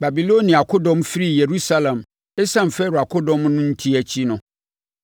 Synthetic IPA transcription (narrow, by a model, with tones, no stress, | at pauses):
ba˨bi˨lo˦nĩ˨a˨kʰʊ˦dɔ̃˦mfi˦ɾi˦je˨ɾu˦sa˦lã˨m | e˦sã˦˨m̩˨fɛ˦ɾʊ˨a˨kʰʊ˦dɔ̃˦mnʊ̃˦n̩˦tʰi˦æ˨t͡ɕʰi˦nʊ̃˨